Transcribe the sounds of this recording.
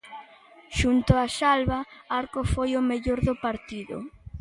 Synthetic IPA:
ʃunt̪ʊaʃalβaaɾkofojʊmeʎoɾðʊpaɾt̪iðʊ̰

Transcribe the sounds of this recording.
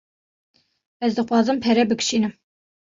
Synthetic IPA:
ɛzd̪ɨxwɑːzɨmpʰɛɾɛbɨkʃiːnɨm

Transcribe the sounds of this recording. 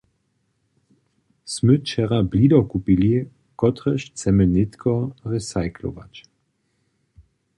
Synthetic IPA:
smɵt͡ʃɛʁablidɔkupili | kɔt̪ʁəʃt͡sɛmənɪt̪kʰɔʁɛsajkʰlo̰va̰t͡ɕ

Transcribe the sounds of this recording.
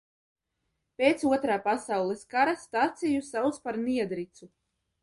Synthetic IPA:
pʲeːt̪suɔt̪ɾaːpasawlˠɛskaɾast̪aːt̪sʲijusawspaɾniɛd̪ɾit̪su

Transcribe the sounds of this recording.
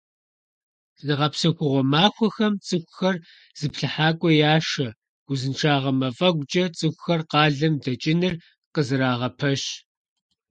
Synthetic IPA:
zɨnɨʁɐpsɐxʷʊʁʷɔmaːxʷɔxɐmt͡sʼɨxʷʊxɐr | z̥ɨpɬɨħaːkʷʼɔjaːʃɐ | ɡ̥ʷʊzɨnʈ͡ʂʰaːʁɐmɐfʼɐɡʷt͡ʃʼɐt͡sʼɨxʷʊxɐrqɑːɮɐmdɐt͡ʃʼɪnɨr | qəzɨɾaːʁɐpʰɐɕ

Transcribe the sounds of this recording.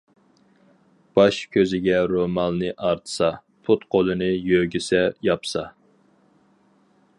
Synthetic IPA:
b̥ɑʃkʲʰøzɪɡʲɛɾomɑlˠnɨʔɑɾt̪ʰɨ̥sɑ | pʰut̪qʰolˠɨnɨjøɡʲysɛjɑpsɑ

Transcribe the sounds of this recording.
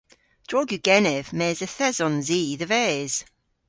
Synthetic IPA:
d̥ɹɔɡjuɡ̥ɛnɛvmɛːzəθɛzɔnziːðəvɛːz̥

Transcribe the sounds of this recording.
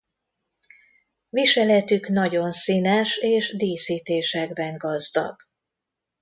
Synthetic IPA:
viʃɛlɛt̪ykn̪ɒɟo̞nsiːnɛʃeːʒd̪iːsiːt̪eːʃɛɡbɛŋɡɒzd̪ɒ̰ɡ̥

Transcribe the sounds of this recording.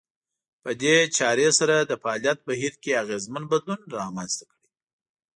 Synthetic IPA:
pəd̪et͡ʃɑɾesaɾad̪əfaɑlijat̪̚baɦiɾkeaɣezmanbad̪lunɾɑmanzt̪ḁkɽi

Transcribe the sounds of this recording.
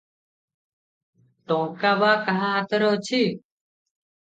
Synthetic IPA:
ʈ̪õːkaːbaːkəɦãːɦət̪ʰɾoːt͡ʃʰiː

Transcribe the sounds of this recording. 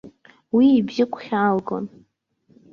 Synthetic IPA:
wiːbzɪkʷʰʼχʲaːlɡo̰n

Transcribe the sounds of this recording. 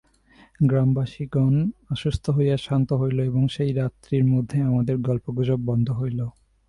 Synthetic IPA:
ɡɾambaʃiɡɔnaʃust̪ʰoɦojaʃant̪oɦojloeboŋʃejɾat̪ːɾiɾmod̪ʱːeamad̪eɾɡɔlpoɡʱod͡ʑob̚bɔnd̪ʱoɦojlo

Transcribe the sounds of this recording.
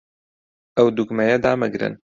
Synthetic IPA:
ɛwd̪ukmɛjɛd̪aːmɨɡɾɨ̰n

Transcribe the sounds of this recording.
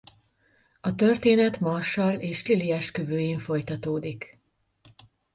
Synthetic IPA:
ɒt̪ø̞rt̪eːnɛt̪mɒrʃɒleːʃliliɛʃkøvøːjeːɱfo̞jt̪ɒt̪oːd̪ik

